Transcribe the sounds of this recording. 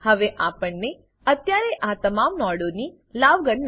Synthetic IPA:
həʋeʔapəɳːe | ət̪jaɾeʔat̪əmamnɔɽoni | laʋɡəɳn

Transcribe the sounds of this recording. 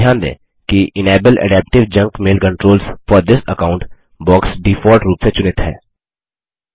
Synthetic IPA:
jaːnd̪ḛ̃ː | kiʔɪneːbəlʔə̰ɖɛːp̚ʈɪʋd͡ʒɐ̃ŋkmeːlkə̃ɳʈɾoːlsfɔːɾd̪ɪsəkãːʊ̃ɳʈ | bɔːksɖifɔːɾʈɾuːpset͡ʃʊnɪt̪hɛ̰ː

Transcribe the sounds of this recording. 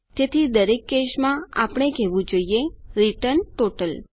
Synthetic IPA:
t̪et̪ʰid̪əɾekːeʃmãa̰pɳ̃ekɛʋũd͡ʒoijeɾiʈəɾɳʈoʈəl

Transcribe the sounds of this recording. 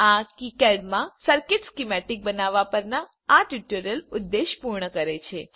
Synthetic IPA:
akikɛɖmãsəɾkɪʈskimɛʈik̚bənaʋapəɾnaː | ʈjuʈuɾjəlud̪ːeʃpuɾɳəkəɾet͡ʃʰe

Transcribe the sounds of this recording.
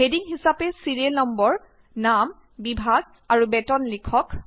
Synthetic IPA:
ɦediŋɦisapɛsiɹielnɔmbɔɹ | nam | bibʱaɡ̚ | aɹubɛtɔnlikʰɔk

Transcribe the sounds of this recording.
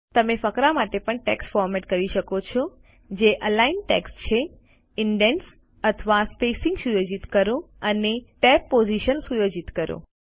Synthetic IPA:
t̪əmefəkɾamaʈepəɳʈɛksfɔɾmeʈkəɾiʃəkot͡ʃʰɔ | d͡ʒeʔəlainʈḛkst͡ʃʰe | ɪɳɖens | ət̪ʰʋaspesɪ̃ŋɡsujod͡ʒit̪kəɾo | əneʈɛpːoziʃənsujod͡ʒit̪kəɾo̰

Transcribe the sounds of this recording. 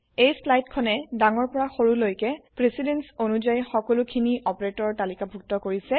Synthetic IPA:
ejslajtkʰɔnɛdaŋɔɹpɔɹaxoɹulojkɛpɹesidensonuzajxɔkɔlʊkʰiniʔɔpɹetɔɹtalikabʱuk̚tɔkoɹisɛ

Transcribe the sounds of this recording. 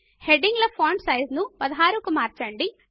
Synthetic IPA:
heɖiŋɡlɐpʰoːɳʈsɐjznupɐd̪ɐɦaːɾukumaːɾt͡ʃɐɳɖi

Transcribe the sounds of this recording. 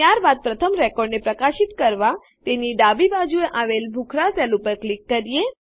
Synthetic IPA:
jaɾbad̪̚pɾət̪ʰəmɾɛkɔɖnepɾəkaʃit̪kəɾʋa | t̪eniɖabibad͡ʒueʔaʋelbʱukʰɾasɛlupəɾklikːəɾije

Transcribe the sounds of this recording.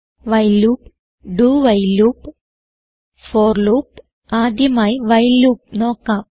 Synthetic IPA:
ʋɐjluːp | ɖuːʋɐjluːp | foːrluːp | aːd̪ʱjɐmaːjiʋɐjluːp̚no̞ːkːaːm

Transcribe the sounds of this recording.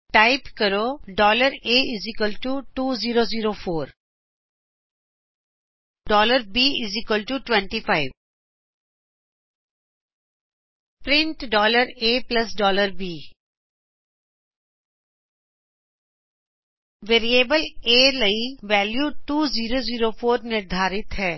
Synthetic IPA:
ʈaɪpkəɾoːɖɔːləɾeːɪzɪkəlʈuːʈuːziːɾoːziːɾoːfoːɾ | ɖɔːləɾbiːɪzɪkəlʈuːʈʋɛ̃ɳʈifaɪʋ | pɾɪ̃ɳʈɖɔːləɾeːplɐsɖɔːləɾbiː | ʋeːɾieːbəleːləiʋɛːljuʈuːziːɾoːziːɾoːfoːɾnɪɾd̪ʱaːɾɪt̪ɦɛː

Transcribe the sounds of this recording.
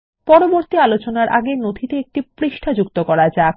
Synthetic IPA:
pɔɾoboɾt̪ialot͡ɕonaɾʔa̰ɡenod̪ʱit̪eek̚ʈipɾiʃʈʰad͡ʑukt̪okɔɾad͡ʑa

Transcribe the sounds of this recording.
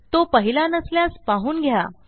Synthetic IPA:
t̪opəɦilanəsljaspaɦuːnɡʱja̰

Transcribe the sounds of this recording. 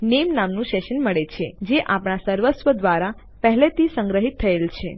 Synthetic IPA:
nemnamnũʃɛʃənməɭet͡ʃʰed͡ʒeʔapɳ̃asəɾʋət̪sʋəd̪ʋaɾa | pəɦlet̪isə̃ŋɡɾəɦit̪ʰːəelt͡ʃʰe

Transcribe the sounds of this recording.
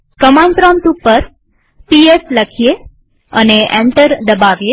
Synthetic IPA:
kəmant̪ɾɔmʈ̪upəɾ | piesləkʰije | əneʔɛ̰̃ɳʈəɾd̪əbaʋje

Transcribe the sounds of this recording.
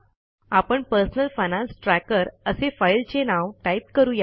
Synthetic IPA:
apəɳpəɾsənəlfajnãnsʈɾækəɾəsefajlt͡ɕenaʋʈaip̚kəɾuːja

